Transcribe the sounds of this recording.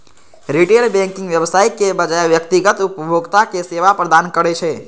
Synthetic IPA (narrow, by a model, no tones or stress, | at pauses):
ɾiʈelbɛ̃ŋkɪ̃ŋɡʋjəbsaːjkebəd͡ʒajʋjək̚t̪iɡət̪upəbʱoɡt̪akeseʋapɾəd̪ankəɾɛt͡ʃʰɛ